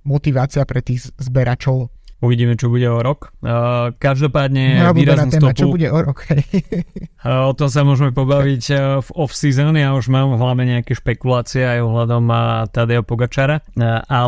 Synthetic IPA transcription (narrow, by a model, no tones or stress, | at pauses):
mɔt̪iʋaːt͡siapɾɛt̪iːɣzbɛɾʔat͡ʃɔʊ | uʋiɟiːmɛt͡ʃɔbuɟɛɔɾɔk | kaʒd̪ɔpaːd̪ɲɛaiːɾaznausɛːt̪ɔapt͡ʃuɔbuɟɛʔɔɾɔkhɛj | ɔt̪ɔms̬amʊɔʒɛmɛpɔbaʋicvɔfsizɔnjauʒmaːmɦlaʊɲɛɲɛakɛʃpɛkulaːt͡siɛajɔɦlad̪ɔmt̪ad̪ɛɔpɔɡat͡ʃaɾaa